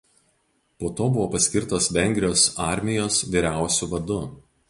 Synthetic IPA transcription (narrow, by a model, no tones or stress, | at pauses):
poːt̪oːbʊʋoːpɐsʲkʲɪɾt̪oːsʋʲɛŋʲɡʲɾʲɪjoːsɑˑɾʲmʲɪjoːsʋʲiːɾʲæˑʊsʲuʋɐd̪ʊ